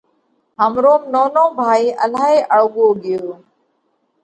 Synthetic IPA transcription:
ɦəmɾoːmnoːnõːbʱaːiːʔəlaːɦeːʔəɭʊɠoːɠɪjoː

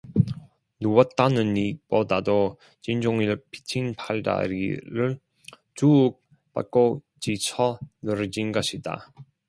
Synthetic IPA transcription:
nuwʌt̚t͈anɯnːipodado | t͡ɕind͡ʑoŋiɭpʰi̥t͡ɕʰinpʰaɭda̰ɾḭɾɯɭ | t͡ɕuːk̚ | p͈a̰k͈o | t͡ɕit͡ɕʰʌnɯɾɯd͡ʑinɡʌɕʰida̰

